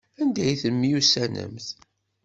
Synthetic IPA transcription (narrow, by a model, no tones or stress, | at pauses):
ænd̪æjθəmːjusænə̰mθ